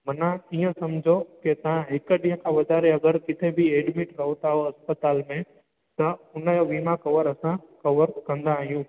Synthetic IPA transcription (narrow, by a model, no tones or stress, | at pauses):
mɐnãiːə̃sɐmd͡ʑʱoket̪ɐʋãɦɪkəɗĩːɦə̃kʰãʋɐd̪ʱaːɾeɐɡəɾkɪt̪ʰebʱieːɖmɪʈɾɐɦot̪aːɦoɐspət̪aːlmẽ | t̪ɐʊnəjoʋiːmãkɐʋəɾɐsãkɐʋəɾkɐ̃nd̪aːɦijũː